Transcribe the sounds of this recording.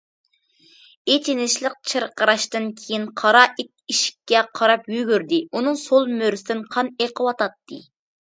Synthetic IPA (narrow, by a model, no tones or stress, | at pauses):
et͡ʃʰinɪʃlˠəq̚t͡ʃʰɨɾqəɾɑʃt̪ɨnkʲʰejinqʰɑɾɑʔit̪̚iʃi̥kʲːɛqʰɑɾɑpjyɡʲyɾd̪ɪunɨŋsolˠmøɾsɪd̪ɪnqʰɑneqʰəwɑt̪ɑt̪ːɨ